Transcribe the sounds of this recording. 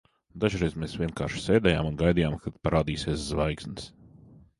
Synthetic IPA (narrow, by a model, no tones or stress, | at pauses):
d̪aʒɾɛjzmeːsvʲiɛnka̰ːɾʃseːd̪ɛja̰ːmunɡajd̪ijaːmkad̪paɾaːd̪iːsiɛszvajksnɨs